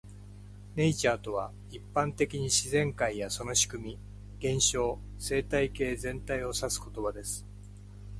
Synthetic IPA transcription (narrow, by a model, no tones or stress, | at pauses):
ne̞it͡ɕaːt̪o̞β̞a | ipːãnt̪e̞kʲiɲ̟iɕizẽ̞ŋkaijaso̞no̞ɕi̥kɯ̟mʲi | ɡ̥ẽ̞ɰ̃ɕo̞ː | se̞ːt̪aike̞ːzẽ̞nt̪aio̞sasɨ̥ko̞t̪o̞bad̪e̞sɨ̥